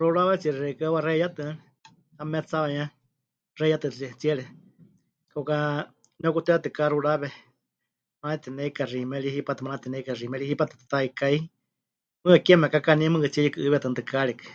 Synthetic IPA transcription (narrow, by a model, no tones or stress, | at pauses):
ruɺaβɛt͡siɛɾɛɾɛkaβarɛjat̪ɨa | kamɛt͡saβaj̃ɲã | rɛjat̪ɨit͡siɛɺɛ | kauka | nɛukut̪ɛat̪ɨkaɾuɺaβɛ | maat̪ɛnɛikarimɛɺihipat̪ɨmanat̪ɛnɛikarimɛɺihipat̪ɨ̥t̪t̪aikai | mɨ̃akiɛmɛkakanĩmɨ̃kɨt͡siɛlikɨʔɨβɛt̪ɨnt̪ɨkaɺɛkɨ̥